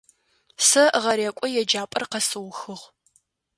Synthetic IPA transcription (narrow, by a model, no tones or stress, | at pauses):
sɐʁɐɾeːkʷʼɔjɛd͡ʒaːpʼɐrqɐsɨwxɨʁ